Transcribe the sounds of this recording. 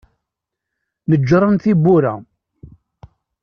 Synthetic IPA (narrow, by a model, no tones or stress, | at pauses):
nəd͡ʒːɾˤɑnθibuɾæ